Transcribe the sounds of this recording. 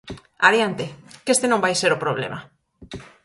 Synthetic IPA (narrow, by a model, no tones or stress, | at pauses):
aɾjant̪ekest̪enõmbajseɾopɾoβ̞lḛma